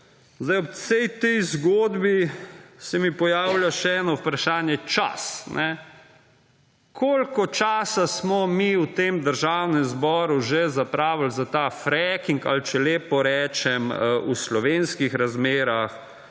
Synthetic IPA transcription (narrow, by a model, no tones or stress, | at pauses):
zd̪ajɔpsɛjt̪ɛjzɡoːd̪bisɛmipɔjaːwljaʃɛɛːnɔupɾaʃaːnjɛt͡ʃa̰snʔɛ | kʰoːlkɔt͡ʃaːsasmɔmiut̪emd̪əɾʒaːwnɛmzbɔːɾuʒezapɾaːʋəlzat̪afɾɛkiŋka̰lt͡ʃɛleːpɔɾɛːt͡ʃɛmʔuslɔʋenskixɾazmeːɾax